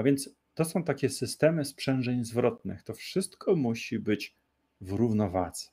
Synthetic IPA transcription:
avʲjɛnt̪s | t̪ɔsɔ̃w̃t̪akʲɛsɘst̪ɛmɘspʂɛnʐɛɲzvɾɔt̪̚nɘ̰xt̪ɔfʂɘst̪kʰɔmuɕibɘt͡ɕ | vɾuvnɔvad̪z̥ɛ̥

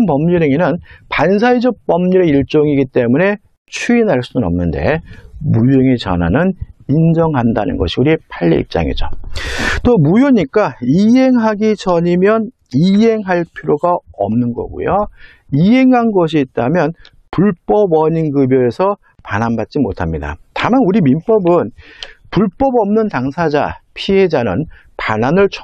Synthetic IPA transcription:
ŋpʌmɲiɾeŋenɯnpans̬ʰaid͡ʑʌk̚p͈ʌmɲiɾe̞iɭt͡ɕ͈oŋiɡit͈e̞mune̞ | t͡ɕʰuinɦaɭs͈unɯnʌ̰mnɯnde̞̰mujeŋet͡ɕʌ̰na̰nɯnind͡ʑʌŋɦandanɯ̰nɡʌɕʰiuɾipʰaʎːḭḭp̚t͡ɕ͈a̰ŋḛd͡ʑo̰ | t͈omujoɲik͈aiɦe̞ŋɦaɡit͡ɕʌɲimjʌn | iɦe̞ŋɦaɭpʰiɾjoɡaʌ̰mnɯnɡʌ̰ɡṵjo | iɦe̞ŋɦanɡʌɕ̬ʰiːt̚t͈amjʌn | puɭp͈ʌbʌɲinɡɯbjʌe̞sʰʌ | panɦanbat̚t͡ɕ͈imotʰamɲida̰tamanuɾimimp͈ʌbɯnpuɭp͈ʌbʌmnɯntaŋsʰad͡ʑa̰pʰie̞d͡ʑanɯn | pananɯɭt͡ɕʰ

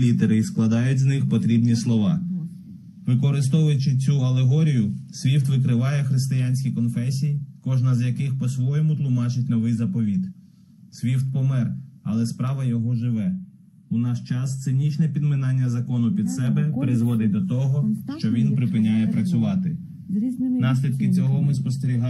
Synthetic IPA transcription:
lʲid̪eɾɪisklˠɐd̪ɑjʊtʲznɪxpɔt̪ɾʲibnʲislˠɔʋɑ | ʋɪkɔɾɪst̪ɔʋʊjʊt͡ʃɪt͡sʲuɐlˠeɦɔɾʲijʊsʲʋʲift̪ʋɪkɾɪʋɑjɛxɾɪst̪ɪjanʲsʲkʲikɔnfɛsʲijikɔʒnɐzjɐkɪxpɔsʋɔjɔmʊt̪lˠʊmɑt͡ʃɪtʲnɔʋɪjzɐpɔʋʲid̪ | sʲʋʲift̪̚pɔmɛrɐ̰lˠɛspɾɑʋɐjɔɦɔʒɪʋɛ | unɑʃt͡ʃɑst̪sɪnʲit͡ʃnɛpʲid̪mɪnɑnʲːɐzɐkɔnʊpʲid̪sɛbɛpɾɪzʋɔd̪ɪt̚ʲd̪ɔt̪ɔɦɔʃt͡ʃɔʋʲinpɾɪpɪnʲajɛpɾɐt͡sʲʊʋɑt̪ɪ | nɑs̬ʲlʲid̪kɪt͡sʲɔɦɔmɪspɔst̪eɾʲiɦɑ

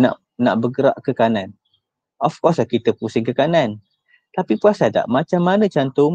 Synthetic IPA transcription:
na̰ʔ | na̰ʔbəɡəɾaʔkəkanan | ʔɔfkɔsakit̪əpusɪŋkəkanan | t̪apipuasada̰ʔmat͡ʃamːanə̃t͡ʃant̪om

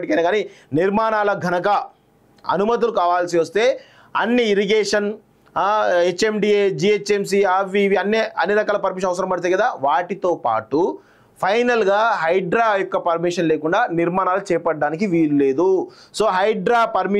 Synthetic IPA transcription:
ʈikɐjnaːɡaːniniɾmaːnaːlɐɡʱɐnɐkɐ | ɐ̰numɐt̪̬ilukaːʋaːlsiʋɐst̪e̞ː | ɐ̰nːiːɾiɡeːʂɐn | et͡ʃːemɖied͡ʒiːet͡ʃːems̬iaːʋiʋiɐnːiɐnːiɾɐkaːlɐpɐɾmikʂ̬ɐnɐʋɐs̬ɐɾɐmpɐɽit̪eːɡɐd̪aːʋaːʈit̪o̞ːpa̰ːʈu | pʰɐjnɐlɡaːɦɐjɖɾaːjɔkːɐpɐɾmiʂɐnleːkuɳɖaːniɾmaːnaːlut͡ʃɛːpɐʈɖːaːnikiʋiːlule̞ːd̪uso̞ːɦɐjɖɾaːpɐɾmi

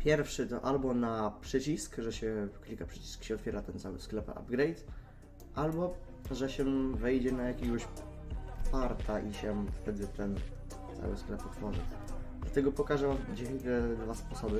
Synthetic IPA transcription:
pʲjɛɾfʂɘt̪ɔ̰ʔalbɔnapʂɛt͡ɕiskʐɛɕɛkʲilkapʂɛt͡ɕi̥skɕɛɔt̪fʲjɛɾat̪ɛnt̪sawɘ̰sklɛpa̰bɡɾɛjt̪ | ʔalbɔ | ʐɛɕɛvɛjd͡ʑɛnajakʲɛɡɔɕ | paɾt̪ʰaʔiɕɛft̪ɛd̪ɘt̪ɛn | t̪sa̰wɘ̰sklɛpɔt̪fɔʐɨ̰d̪lat̪ɛɡɔpɔkaʐɛd͡ʑɛt̪ɛd̪vaspɔsɔbɘ

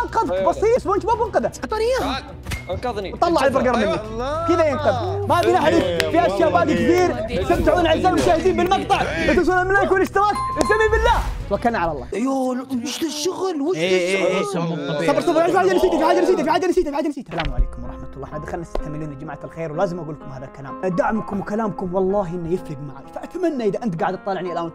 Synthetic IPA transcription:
ɑqɑd̪ˤkbɑsˤiːsbuːnt̪mafwʊnqɑd̪ast̪oːnɪjaha | wt̪ˤɑlːɑʕalbɑɾˤɡɑɾˤmɪnːakkɪd̪ajɪnqɑðˤmafilaħd̪ɪkfiʔaʃjaːwaːd̪ikɪt̪iːɾt̪sabːt̪ːɪħuːnʕazːaːblmʊʃaːhɪd̪iːmbɪlmɑqt̪ˤɑʕʔɪt̪us̬uːnamɪlːajkunɪʃt̪ɪɾaːt̪ɪsamːiːbɪlːaːt̪wakːalnaʕalɑlˤːɑ̰ːjowʊʃlɪʃːʊɣlwɪɪɣ | sˤɑbɾsˤɑbɾjafiħaːd͡ʒanɪsiːt̪afiħaːd͡ʒanɪsiːt̪afiħaːd͡ʒanɪsiːt̪afiħaːd͡ʒːansiːt̪aalaːmʕa̰lḛːkʊmwɑɾˤɑħmat̪lˤːɑːħmad̪axalnat̪ḁt̪amɪlːuːnad͡ʒamaʕat̪alxeːɾwlaːzɪmʔaɡuːlkʊmhaːðalkala̰ːmd̪aʕmkʊmwkalaːmkʊmwɑlˤːɑːɦʔɪnːajɪfhɪb̪maʕa̰kfaʔat̪amanːaʔɪðaʔɪnt̪ɡaːʕɪd̪ɑt̪ˤːɑlɪʕnialʔaːn

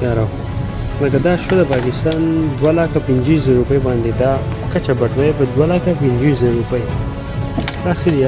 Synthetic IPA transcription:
ɑɾaw | ləkad̪ɑʃod̪əpɑkɪst̪ɑnd̪walakapɪnd͡ʒis̬əɾupəjbɑnd̪ed̪ɑkat͡ʃabaʈwapəd̪walakapɪnd͡ʒwizəɾɾupəj | d̪ɑsed̪

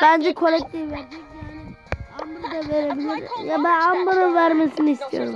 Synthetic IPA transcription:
b̥ænd͡ʒɛkʰo̞lʲɛk̚t̪ʰivveɾd̪ikjaːnɪ | ambuɾd̪aveɾebilʲiɾjabænambaɾɯnvæɾmesiniist̪ʰijo̞̰ɾum

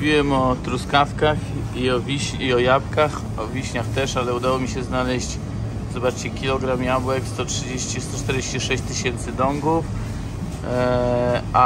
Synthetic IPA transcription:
vʲiwɛmɔt̪ɾuskafkax | iɔvʲiɕɲiɔjapkax | ɔvʲiɕɲaxt̪ɛʂalɛud̪awɔmʲiɕɛznalɛɕt͡ɕ | z̥ɔbat͡ʂt͡ɕɛkʲilɔɡɾamjabwɛkst̪ɔtʂɘd͡ʑeɕt͡ɕist̪ɔt͡ʂt̪ɛɾd͡ʑeɕt͡ɕiʂɛɕt͡ɕt̪ɘɕɛnt̪sɘd̪ɔŋɡuf | ʔa

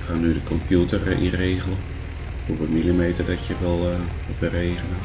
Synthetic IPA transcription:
xaːnːydəkʰɔmpjutərḭreːɣəlˠə | huʋəmilimeːtərdɔtjəʋɛlˠʋbəreːɣənə

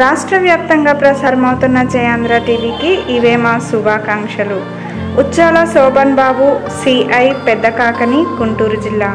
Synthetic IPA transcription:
ɾaːʂʈɾɐʋjaːp̚t̪ɐŋɡaːpɾɐsaːɾɐmɐwt̪unːɐd͡ʒɐjaːnd̪ɾaːʈiːʋiːkiiʋeːmaːsubʱaːkaːŋkʂɐluː | tːt͡ʃːaːlɐsɔːbɐnbaːbusiːɐjpɛd̪ːɐkaːkɐniɡuɳʈuːɾud͡ʒilːaː

